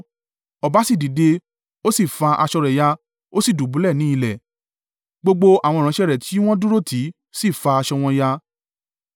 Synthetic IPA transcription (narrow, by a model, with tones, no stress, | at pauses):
ɔ˨ba˨˦si˦˨di˨de˧ | o˦si˦˨fa˧ʔa̰˧ʃɔ˧ɾɛ˨ja˧ | o˦si˦˨du˨bu˨˦lɛ˦˨nĩ˨˦i˦˧lɛ˨ | ɡ͡bo˧ɡ͡bo˧a˨w̃ɔ̃˧˨ɾã˨˦ʃɛ˦˨ɾɛ˨tʰi˨˦w̃ɔ̃˦du˦ɾo˦˨tʰi˨˦ | si˦˨fa˧a˧ʃɔ˧w̃ɔ̃˧ja˧